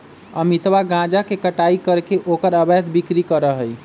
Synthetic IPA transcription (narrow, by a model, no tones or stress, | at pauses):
əmit̪ʋaɡãd͡ʒakekəʈaikəɾkeʔokəɾəbət̪bikɾikəɾəɦəj